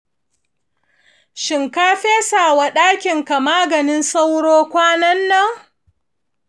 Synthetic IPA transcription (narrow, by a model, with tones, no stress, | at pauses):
ʃɪ˨ŋkaː˦ɸeː˦saː˨wa˨ɗaː˦kʲɪ˨ŋka˨maː˦ɡɐ˨nɪ˦nsa˦wɽoː˦kʷaː˦nɐ˦nːɐ˦ŋ